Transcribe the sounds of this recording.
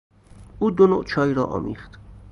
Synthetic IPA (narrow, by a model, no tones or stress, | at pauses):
uːd̪ono̰ːʔt͡ʃʰɒːiːɾɒːʔɒ̰ːmḭːχd̪̥